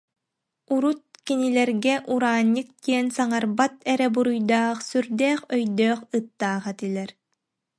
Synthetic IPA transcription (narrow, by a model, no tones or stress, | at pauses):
uɾut̪̚kinilɛɾɡɛʔuɾaːɲʲːɯk̚t̪iɛnsaŋaɾbat̪ɛɾɛbuɾujd̪aːχsyɾd̪ɛːχœjd̪œːχɯt̪ːaːʁat̪ilʲɛɾ